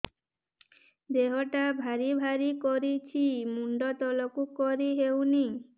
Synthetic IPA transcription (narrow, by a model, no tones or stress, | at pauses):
d̪eɦɔʈabʱaɾibʱaɾikoɾit͡ɕʰimuɳɖɔt̪ɔlɔkukoɾiɦewni